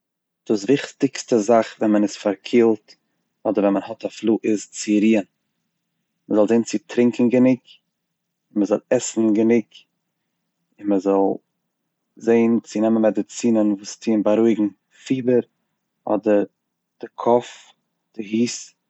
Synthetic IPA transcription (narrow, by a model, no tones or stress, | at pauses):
d̥uːs̬vɪχtɪkstəzaχvɛnmənɪsfaɾkʰiːlˠt | ɔdəɾvɛnmənhɔtaflˠuːʔɪst͡sɪɾiːən | məzɔlˠzeɪnt͡sɪtɾɪŋkŋ̩ɡənɪk | ɪnməzɔlˠɛsn̩ɡənɪk | ɪnməzɔlˠ | zeɪnt͡sɪnɛmənmɛdɪt͡siːnənvuːstʰiːnbaɾuɪɡŋ̩ | fiːbəɾ | ɔ̰dəɾ | d̥ɪkʰɔf | d̥ɪhiːs